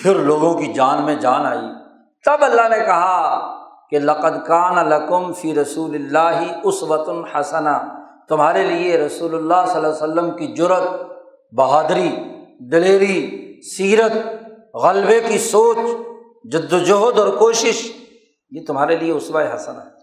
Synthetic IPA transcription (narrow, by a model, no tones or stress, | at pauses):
pʰɪɾloːɡõkid͡ʒaːnmẽd͡ʒaːna̰ːḭː | t̪ɐbɐlːaɦnekɐɦa | kelɐqəd̪kaːnalɐkʊmfiːɾɐsuːlɪlːaːɦɪʊswɐt̪hɐsənat̪ʊmɦaːɾelieɾɐsuːlʊlːaːsɐlːaːsɐlːəmkid͡ʒʊɾət̪̚ | bɐɦaːd̪ɾid̪ɐleːɾisiːɾət̪̚ | ɣɐlbekisoːt͡ʃ | d͡ʒʊd̪ːod͡ʒoɦd̪ɔːɾkoːʃɪʃ | jet̪ʊm̤aːɾelieʊsbaeɦɐsənaɦɛː